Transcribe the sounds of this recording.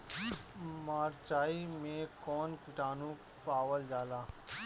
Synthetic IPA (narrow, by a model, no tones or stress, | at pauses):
maːɾt͡ʃaːimẽkɔːnkɪʈaːnũ | paːʋəld͡ʒaːlaː